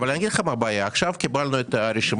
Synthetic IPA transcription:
valanaɡid̪χamaʁbaːjaːχʃavkibalnuet̪aɾeʃim

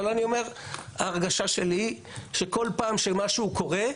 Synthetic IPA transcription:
loanio̞me̞ʁaːʁɡaʃaʃe̞li | ʃe̞ko̞lpaːmʃemaʃuːko̞ʁe̞

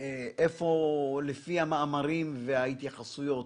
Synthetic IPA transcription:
eʔefo̞lefihamaːmaʁimveait̪jaχasujo̞t

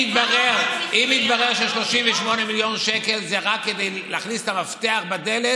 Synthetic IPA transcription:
it̪baʁeʁʔimit̪baʁeʁʃeʃlo̞ʃiɱveʃmo̞nemiljo̞nʃekelzeʁakːed̪ejlɛaχnist̪amaft̪e̞aχbad̪ele

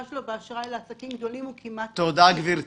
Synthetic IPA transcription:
aʃlobeaʃʁaeleasakimɡd̪o̞limukʰimatt̪od̪aɡviɾ

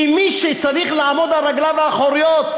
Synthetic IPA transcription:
imiʃet͡saʁiχlaːmo̞d̪aʁaɡlaveaχoɾijot̪

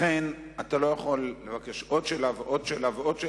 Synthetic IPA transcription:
en | atalo̞jaχolːe̞vake̞ʃʔo̞dʃelaveʔo̞dʃelaveo̞dʃe

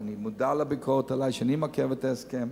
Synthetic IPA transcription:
animudalabikʰoʁet̪alajʃanimakevet̪aeskem

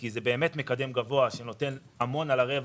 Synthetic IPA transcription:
kizebe̞ːme̞tme̞kad̪e̞mɡavo̞aʃe̞no̞te̞n | amo̞nalaʁe̞v

